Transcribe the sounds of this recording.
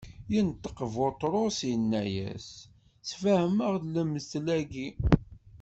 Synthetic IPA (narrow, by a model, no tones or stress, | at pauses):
jənt̪ːə̥qvot̪ˤɾˤosjənːæjæ̰s | sfæhəməʁðləmːəslæɡi